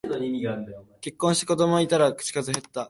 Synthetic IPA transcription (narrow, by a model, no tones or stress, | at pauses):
d̪oɲʲimʲiɡaːɾɯd̪aoke̞kːõɕi̥t̪e̥ko̞d̪o̞moit̪aɾakɯ̥t͡ɕi̥kazɨɦe̞t̪ːa